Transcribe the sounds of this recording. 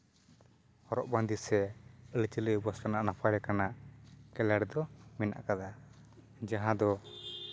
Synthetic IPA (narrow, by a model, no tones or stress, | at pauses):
hɔɾɔʔband̪isɛəlt͡ʃələbɔsɾanaʔnapʰaɾɛkanaʔkɛlɛɽd̪ɔmɛna̰ʔkad̪a | d͡ʒaɦãd̪ɔ